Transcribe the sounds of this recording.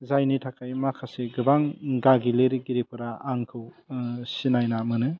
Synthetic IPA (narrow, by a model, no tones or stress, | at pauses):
zajnitʰakʰajmakʰaseɡɯbaŋɡaɡileɾɡiɾipʰɯɾaaŋkʰɯwsinajnamɯnɯ